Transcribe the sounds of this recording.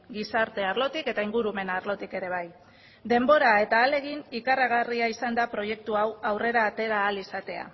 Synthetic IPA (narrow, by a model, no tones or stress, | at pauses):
ɡisaɾt̪e̞aɾlo̞t̪ike̞t̪aiŋɡuɾume̞naɾlo̞t̪ike̞ɾe̞β̞aj | d̪e̞mbo̞ɾae̞t̪aːle̞ɣ̞inikaraɣ̞ariaisand̪apɾo̞je̞k̚t̪uawawre̞ɾaːt̪e̞ɾaːlisat̪e̞a̰